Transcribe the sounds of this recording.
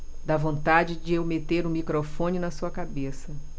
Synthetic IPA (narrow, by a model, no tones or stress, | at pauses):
d̪avõnt̪ad͡ʒɪd͡ʒɪewmet̪eɾũmikɾofõnɪnɐsuɐkabesɐ